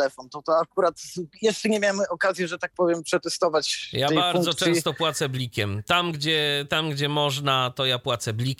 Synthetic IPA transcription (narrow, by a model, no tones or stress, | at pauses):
ɛfɔnt̪ɔt̪ɔakuɾat̪jɛʂt͡ʂɛɲɛmʲjamɘɔkazʲjɛʐɛt̪ak̚pɔvʲjɛmpʂɛt̪ɛst̪ɔvat͡ɕjabaɾd̪zɔt͡ʂɛ̃w̃st̪ɔpwat̪sɛblʲikʲɛmt̪amɡd͡ʑɛt̪amɡd͡ʑɛmɔʐnat̪ɔjapwat̪sɛblʲik